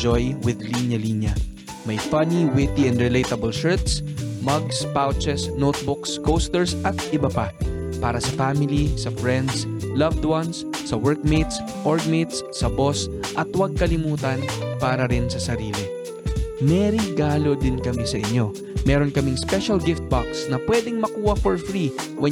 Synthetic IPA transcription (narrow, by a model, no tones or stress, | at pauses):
d͡ʒojwɪd̪linjɐlinjɐ | mɐjfɐniwɪt̪iɛ̃nd̪ɹɪlejt̪ɐbɐlʃɛɹt̪smɐɡspawt͡ʃɛsnowt̪̚bʊkskowst̪ɛɹsʔɐt̪̚ʔɪbɐpa | paːɾɐsɐfaːmɪlisɐfɹɛnd̪slɐvd̪wɐnsːɐwɛɹk̚mejt̪s | ʔoɹɡ̚met̪sːɐbo̞sʔɐt̪wɐɡ̚kɐlɪmuːt̪ɐnpaːɾɐɾɪnsɐsɐɾiːlɪ | mɛɾɪɡaːlo̞d̪ɪnkɐmɛsɐʔɪɲːo̞ | mɛːɾonkɐmɪŋspɛʃɐlɡɪft̪̚baksnɐpwɛd̪ɪŋmɐkuːhɐfɔɹfɾiwɛ